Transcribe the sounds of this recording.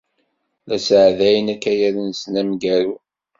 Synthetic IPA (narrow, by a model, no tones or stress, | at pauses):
læsəʕðæjənækːæjæɾnsnæmɡæɾu